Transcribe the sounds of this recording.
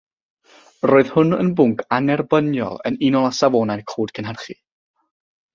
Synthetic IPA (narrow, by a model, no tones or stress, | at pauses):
roːɨð̥hʊnə̰nbʊŋkʰanɛrbənjɔ̰lˠə̰nɪnɔlˠasavoːnajrkʰoːd̥kʰənɦərχi